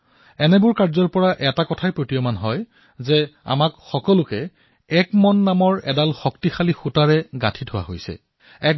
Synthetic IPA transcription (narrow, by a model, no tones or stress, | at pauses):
ɛnɛbʊɹkaɹzɔɹpɔɹaʔɛtakɔtʰajpɹotijomanɦɔj | zɛa̰makxɔkɔlʊkɛ | ɛkmɔnːamɔɹɛ̰dalxɔktixalixutaɹɛɡa̰tʰitʰʊwa̰ɦojsɛ̰ | ɛk